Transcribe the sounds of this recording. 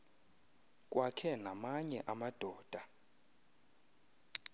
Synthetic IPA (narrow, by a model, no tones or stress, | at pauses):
kʼwakʰɛnamaɲɛʔamad̥ʱɔːd̥ʱa